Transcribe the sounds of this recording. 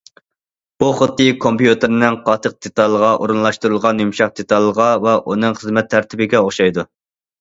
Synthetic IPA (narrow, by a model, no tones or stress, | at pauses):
b̥uχət̪ːɨkʰompjut̪ʰɨɾnɪŋqʰɑt̪ʰəq̚d̪̥et̪ʰɑlˠːəʁɑʔoɾɨnlˠɑʃt̪uɾulˠʁɑnjumʃɑq̚d̪̥et̪ʰɑlˠːəʁɑvɛʔunɨŋχəzmɛt̪ʰːæɾt̪ʰɪbɪɡʲɛoχʃɑjd̪u